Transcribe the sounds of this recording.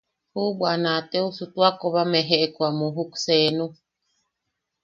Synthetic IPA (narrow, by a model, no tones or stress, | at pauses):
hubwanat̪eusut̪uakoβameɦeʔekwamuɦukseːnu